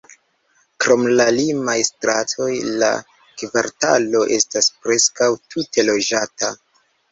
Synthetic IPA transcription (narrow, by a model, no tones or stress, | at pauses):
kɾo̞mlalimajstɾatʰo̞jla̰ | kvaɾta̰lo̞ʔe̞staspɾe̞skawtʰute̞lo̞d͡ʒata